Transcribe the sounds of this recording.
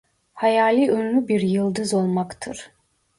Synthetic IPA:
hajaːlʲˠiønymʲybiɾjɯlˠd̪ɯzo̞lˠmakt̪ʰɯɾ̥

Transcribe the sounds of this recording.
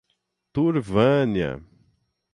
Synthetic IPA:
t̪uɾvɐ̃njɐ̰

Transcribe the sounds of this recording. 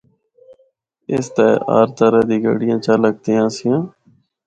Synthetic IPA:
ɪst̪ɛːa̰ːɾt̪əɾəːd̪iːɡə̰ɽɪjãːt͡ʃələɡ̚t̪eːãːsɪjãː

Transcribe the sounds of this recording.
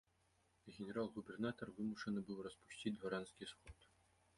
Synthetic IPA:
ɣʲɪnʲeɾalˠɣubʲɛrnat̪ɔrvɨmuʂənɨbɨwrɐspu̥sʲtʲid̚ʲʁɔɾɑnskʲisxɔt̪

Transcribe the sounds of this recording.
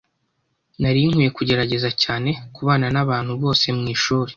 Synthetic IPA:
naɾiŋ̥huje̞kuɟe̞ɾaɟe̞zacaːne̞kuβaːnanaβaːn̥huβo̞ːse̞mŋiːʃuːɾe

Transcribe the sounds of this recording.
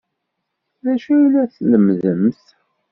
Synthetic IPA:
ðæʃæilæθləmðəmθ

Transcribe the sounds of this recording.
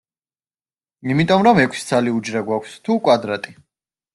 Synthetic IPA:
imit̪ʼɔmɾɔmɛkʰsi̥sʰaliud͡ʒɾaɡwakʷʰst̪ʰukʼwad̪ɾat̪ʼi

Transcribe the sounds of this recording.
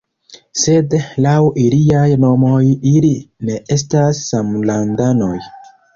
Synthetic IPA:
se̞dlawiliajno̞mo̞jiline̞ʔe̞stasːamlandano̞j

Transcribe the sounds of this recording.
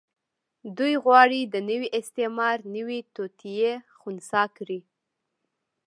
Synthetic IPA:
d̪ujɣwɑɽid̪ənəwiʔɪst̪ɪmɑɾnəwit̪ot̪ʰijexunsɑkɾi

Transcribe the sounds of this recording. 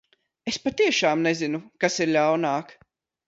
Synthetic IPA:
espat̪iɛʃaːmnezinukasiɾlʲawnaːk

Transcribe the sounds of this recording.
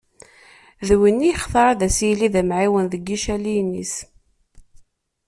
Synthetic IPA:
ðwinːijχθɑɾˤɑðæsijliðæmʕiwənðəɡːiʃælinḭs

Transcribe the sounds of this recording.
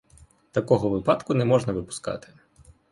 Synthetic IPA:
t̪ɐkɔɦɔʋɪpɑt̪kʊnɛmɔʒnɐʋɪpʊ̥skɑ̰t̪ɪ̥

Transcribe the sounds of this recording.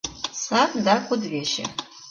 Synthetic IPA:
sapʼdakʷʊdʕʲaʃa̰

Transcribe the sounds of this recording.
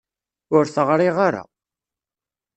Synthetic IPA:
ʊɾθəʁɾˤiʁaɾa̰

